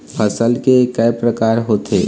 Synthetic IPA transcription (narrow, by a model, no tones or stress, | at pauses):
pʰəsəlkekəjpɾəkaːɾɦoːt̪ḛː